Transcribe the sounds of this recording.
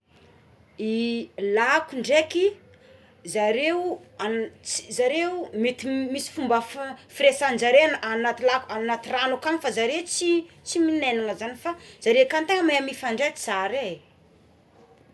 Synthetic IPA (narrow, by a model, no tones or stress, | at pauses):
ilakuɳɖ͡ʐeki | zaɾeuat͡si̥zaɾeumet̪imisi̥fumbəffiɾesand͡ʒaɾenanat̪ilakanat̪iranokaŋifazaɾet͡si | t͡siminenaŋəzanifaz̥aɾekant̪eŋəmeamifaɳɖ͡ʐekiz̥aɾe